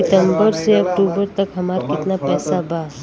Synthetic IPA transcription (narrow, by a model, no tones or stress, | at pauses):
ɪt̪ə̃mbəɾseɐkʈuːbəɾt̪ɐkɦɐmaːɾakɪt̪napɛːsabaː